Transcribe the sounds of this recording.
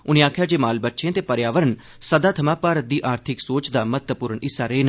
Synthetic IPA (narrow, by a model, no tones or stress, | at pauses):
ʊnẽːaːkʰjaːd͡ʒeːmaːlbətːʃʰẽːt̪eːpəɾjaːʋəɾən | səd̪aːt̪ʰəmãːpaːɾət̪̚d̪iːʔaːɾt̪ʰɪksoːt͡ʃd̪aːmət̪əpʊːɾəɳɪsːaːɾeːnː